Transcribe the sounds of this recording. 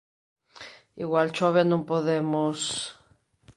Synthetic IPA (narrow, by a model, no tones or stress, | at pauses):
iɣwalt͡ʃoβjanõmpoðemos